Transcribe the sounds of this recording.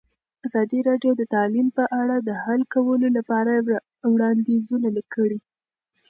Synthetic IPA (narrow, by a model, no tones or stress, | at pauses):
azɑd̪iɾɑɖjod̪ət̪ɑlimpəʔaɽad̪əhalkawəlolapɑɾa | wɽɑnd̪izunaləkːəɽi